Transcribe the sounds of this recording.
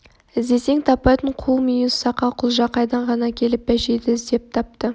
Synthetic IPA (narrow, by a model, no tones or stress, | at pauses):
ɪzd̪e̞se̞ŋt̪ʰɑpɑjt̪əɴqʰulˠmijussɑqɑqʰʊlˠʒɑqɑjd̪ɑɴʁɑnɑkʲʰe̞lɪp̚bæʃed̪ɪɪzd̪e̞p̚t̪ʰɑp̚t̪ə